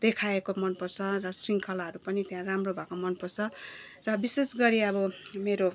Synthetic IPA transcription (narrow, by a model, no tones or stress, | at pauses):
d̪̥ekʰaekomʌnpʌrt͡sʰʌrʌsriŋkʰʌlaɦʌɾupʌnit̪jãramrobʱakomʌnpʌrt͡sʰʌ | rʌbisesɡʌɾiʌbʌmeɾo